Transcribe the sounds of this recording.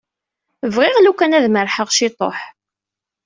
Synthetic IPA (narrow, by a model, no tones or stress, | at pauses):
vʁɪʁlukænæðməɾħəʁʃɪt̪ˤo̰ħ